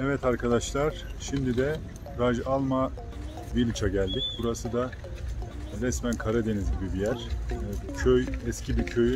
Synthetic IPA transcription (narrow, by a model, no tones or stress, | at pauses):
ɛvɛt̪ʰaɾkʰad̪aʃlˠaɾ̥ʃimd̪id̪ɛ | ɾad͡ʒalˠma | bilʲt͡ʃʰaɟælʲd̪ic̚buɾasɯd̪a | ɾɛsmænkʰaɾad̪e̞nizɟibibijæɾ̥ | cʰøjɛscʰibicʰøjy